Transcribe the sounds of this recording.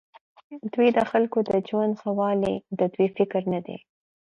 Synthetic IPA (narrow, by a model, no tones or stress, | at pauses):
d̪wijd̪əxalkod̪əd͡ʒwand̪xawɑlid̪əd̪wifɪkɾnad̪ḛ